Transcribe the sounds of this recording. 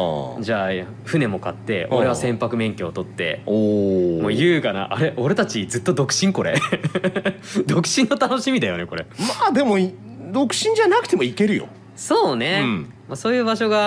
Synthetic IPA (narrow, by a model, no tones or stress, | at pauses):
d͡ʑaː | ɸɯ̟ne̞mo̞kat̪ːe̞o̞̰ɾe̞β̞asẽ̞mpakɯ̟mẽ̞ŋkʲeot̪o̞t̪ːe̞̰omoːjɯːkana̰ʔaɾe̞ʔo̞ɾe̞t̪at͡ɕid͡zɨt̪ːo̞d̪o̞kɯ̟̥ɕĩŋko̞ɾe̞ | d̪o̞kɯ̟̥ɕĩnːo̞t̪ano̞ɕimʲid̪ajo̞ne̞ko̞ɾe̞mad̪e̞mo̞ | d̪o̞kɯ̟̥ɕĩɲ̟d͡ʑanak̟t̪e̞moike̞ɾɯ̟jo̞̰ | so̞ːne̞ | maso̞ːjɯːbaɕo̞ɡa